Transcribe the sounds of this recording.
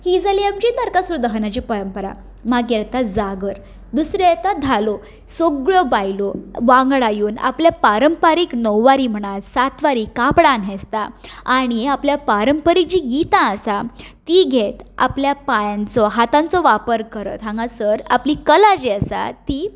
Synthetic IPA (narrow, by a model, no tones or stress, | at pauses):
hid͡zaliamt͡ɕinaɾkasuɾd̪əɦnat͡ɕipəɾəmpəɾa̰ | maɡɛt̪ad͡zaɡəɾ | d̪usɾɛt̪ad̪ʱalɔ | soɡɭɔbajlɔʋãŋɡɭajuːna̰pljapaɾəmpaɾiːknəwːaɾiːm̤əɽ̃at̪sat̪ʋaɾikapɽãnɦest̪aːɽ̃iapljapaɾəmpəɾik̚d͡ʑiɡit̪ãəsat̪iɡʱet̪a̰pljapajãnt͡sɔɦat̪ãnt͡sɔʋapəɾkəɾə̰t̪ɦãŋɡasəɾaplikəlad͡ʑiəsa̰t̪iː